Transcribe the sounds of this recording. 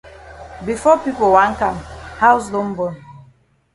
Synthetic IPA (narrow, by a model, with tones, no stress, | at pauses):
bi˨fɔ˦pi˦po˨wã˦ŋ̩˦ka˨mha˦ws̬lo˦m̩˦bɔ˨n